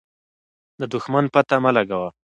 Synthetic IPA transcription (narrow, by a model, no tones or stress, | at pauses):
d̪əd̪ʊxmanpat̪amalaɡawa